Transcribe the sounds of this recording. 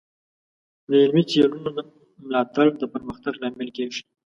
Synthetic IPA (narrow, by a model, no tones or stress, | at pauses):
d̪əɪlmit͡selunod̪ə | mlɑt̪aɽd̪əpəɾməxt̪aɡlɑmɪlkeʒi̥